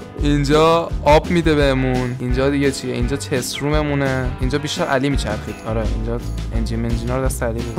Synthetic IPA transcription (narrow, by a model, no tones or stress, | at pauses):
ind͡ʒɒːɒbmid̪ebeemunind͡ʒɒːd̪iɡet͡ʃʰijeʔind͡ʒɒːt͡ʃʰesɾume̞muneind͡ʒɒːbiʃt̪æɾæ̰liːmiːt͡ʃʰæɾxiːd̪̥ɒːɾɛind͡ʒɒːend͡ʒimend͡ʒinɑɾd̪æst̪ʰælibe